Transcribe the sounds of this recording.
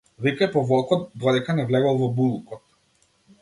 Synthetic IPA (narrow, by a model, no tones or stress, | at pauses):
vikajpɔvɔlˠkɔt̪̚d̪ɔd̪ɛkanɛvlɛɡɔlˠvɔbulˠkɔt̪̚